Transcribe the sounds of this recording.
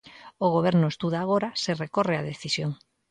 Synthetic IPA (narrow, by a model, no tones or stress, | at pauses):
oɣ̞oβɛɾnʊest̪uð̞aːɣ̞oɾaserekoreaðeθisjoŋ